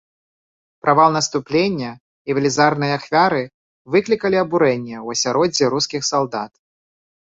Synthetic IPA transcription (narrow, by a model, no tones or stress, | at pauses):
pɾʔavalˠnɐst̪uplʲenʲːɐ | ivʲɐlʲizarnɨjɐaxfʲaɾɨ | vɨklʲikɐlʲiɐbuɾɛnʲːɛwɐsʲaɾɔd͡zʲiɾuskʲixsalˠd̪at̪̚